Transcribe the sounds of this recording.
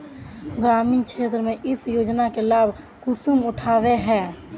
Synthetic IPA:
ɡɾaːmiːnkʰʃʰeːt̪ɾəmẽʔɪsjoːd͡ʒnakelaːbʱ | kʊsumʊʈʰaːweɦɛː

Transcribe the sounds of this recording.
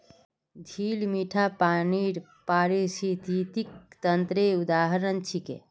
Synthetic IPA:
d̪ʱiːlmiʈʰapaniɾ | paɾisit̪it̪ik̚t̪ənt̪ɾeud̪aːɦəɾənt͡ʃʰikḛ

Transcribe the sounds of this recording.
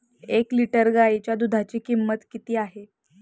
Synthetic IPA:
ekliʈəɾɡait͡ɕjad̪ud̪ʱat͡ɕiːkimːət̪kit̪iːaɦe

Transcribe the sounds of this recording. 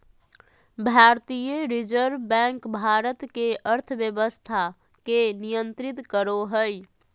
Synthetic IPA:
bʱaɾt̪ijəɾid͡ʒəɾʋbɛ̃ŋkbʱaɾət̪keəɾt̪ʰəbjəbəst̪ʰa | kenijənt̪ɾit̪kəɾoɦəj

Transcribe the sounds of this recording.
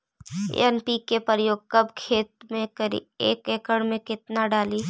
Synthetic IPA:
ɛnpikepəɾjoːɡ̚kɐbkʰeːt̪̚mẽkəɾḭeːkeːkəɽmẽkɪt̪naɖaːli

